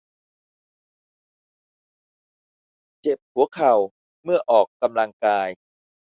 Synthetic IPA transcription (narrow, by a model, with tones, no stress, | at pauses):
t͡ɕe˨˩p̚hu˩˦ɐkʰa˨˩w | mɯ˥˩ɐʔɔː˨˩kːa˧mla˧ŋkaː˧j